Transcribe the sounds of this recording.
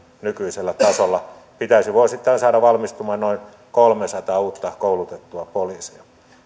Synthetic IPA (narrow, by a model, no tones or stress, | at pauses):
nykyiselːæt̪ɑsolːɑ | pit̪æisiʋosit̪ːɑinsɑːɾɑʋɑlmist̪umɑːnnoin | kolmesɑt̪ɑːuːt̪ːɑkoulut̪et̪ːuɑpoliːsiɑ